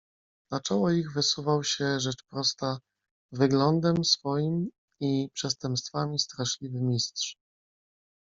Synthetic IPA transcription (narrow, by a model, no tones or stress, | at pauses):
nat͡ʂɔwɔiɣvɘsuvawɕɛʐɛt͡ʂpɾɔst̪a | vɘɡlɔnd̪ɛmsfɔjim | ipʂɛst̪ɛmpst̪famʲist̪ɾaɕlʲivɘmʲistʂ